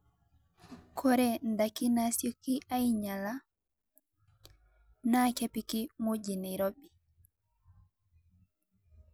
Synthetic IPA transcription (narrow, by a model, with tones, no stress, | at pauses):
kʰɔ˦ɾɛnda˨ki˦nasjɔ˦ki˦ʔa˦jɲa˨la | nakepiki˦mu˦d͡ʒi˨ni˨ɾo˦ɓi